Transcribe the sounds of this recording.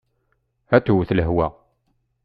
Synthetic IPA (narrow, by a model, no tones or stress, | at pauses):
æt̪uwθləɦwæ